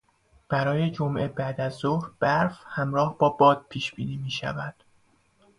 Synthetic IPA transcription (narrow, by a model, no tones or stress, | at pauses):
b̥æɾɒːje̞d͡ʒomʔe̞bæd̪æzːohɾb̥æɾfhæmɾɒːhbɒːbɒːd̪̥̚pʰiːʃb̥iːniːmiːʃæ̰væd̪̥